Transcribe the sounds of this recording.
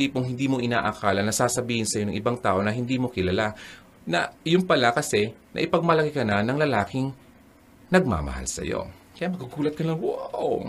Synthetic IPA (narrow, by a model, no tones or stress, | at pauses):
iːpʊŋɦɪnd̪iːmo̞ʔɪna̰ːʔɐkaːlɐnːɐsaːsɐbiːhɪnsɐjo̞nɐŋʔɪbaŋt̪aːʔo̞nɐɦɪnd̪iːmo̞kɪlɐla | nɐ̰jʊnpɐlakɐsɛnʔɐ̰ʔɪpɐɡ̚mɐlɐkɪkɐnanɐŋlɐlaːkɪŋ | nɐɡ̚ma̰ːmɐ̰ha̰lsɐ̰jo̰ | kɐjamɐɡuɡuːlɐt̪̚kɐnlɐŋwoʔo